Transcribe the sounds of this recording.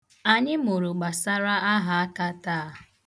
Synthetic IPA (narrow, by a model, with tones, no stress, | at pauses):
a˨ɲɪ˦mo˨ɾʊ˨ɡ͡ba˨sa˦ɾa˦a˦ɦa˨a˦ka˦ta˦˨˦